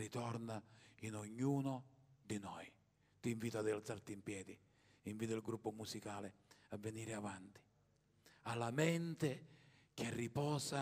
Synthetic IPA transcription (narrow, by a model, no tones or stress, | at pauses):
it̪ɔrnainoɲːuːnʊd̪inɔj | t̪iɱviːt̪ʊad̪ɛlt̪sart̪iːmpjɛːd̪i | iɱviːt̪ɪlɡɾupːʊmusikaːlɪavːeniːɾɪavant̪i̥ | alːamɛnt̪ek̟ɪarːipɔːsa